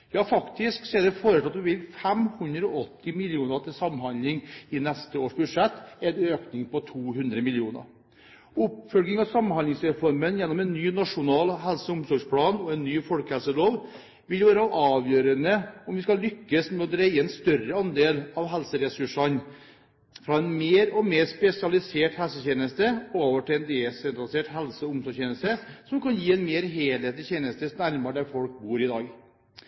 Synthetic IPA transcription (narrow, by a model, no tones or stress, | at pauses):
jɑːfɑkt̪ɪsksɔɛɖɛfoːɾət̪ʰɑt̪ːpɛʋɪlfɛmhʉnd̪ɾəɔʔɔt̪ʰːɪmɪlɪuːnət̪ʰɪlsɑmːhɑnd̪lɪŋɪnɛst̪əoːʂbʉd̪ʂɛt̪ːɛnøːknɪŋpɔt̪ʰuːɦʉnd̪ɾəmɪljuːnə̰ɾ | ʊpfœlɡnɪŋɑsɑmnhɑnlɪŋsɾɛfɔɾmənjɛnːɔmɛnːyːnɑʂʊnɑːlɦɛlsəʊmsɔʂpʰlɑːnɔɛnːyːfɔlkəhɛlsəloːʋ | ʋɪlʋæːɾəʔɑːʋjøːɾənəɔmʋɪskɑllʏkːəsmɛɔd̪ɾeɪəɛnst̪œrəɑnd̪eːlɑʋɦɛlsəɾɛsʉʂɑn | fɾɑːɛnmeːɾɔmeːɾspɛsɪɑlɪseːʈhɛlsəçeːnəst̪əoːʋəʈɪlɛnd̪esɛnt̪ɾɑlɪseːʈhɛlsəʊmsɔçeːnəst̪əsɔmkʰɑnjiːɛnmeːɾɦeːlheːt̪lɪçeːnəst̪əsnæɾmɑɖæɾfɔlk̚buːɾɪd̪ɑːɡ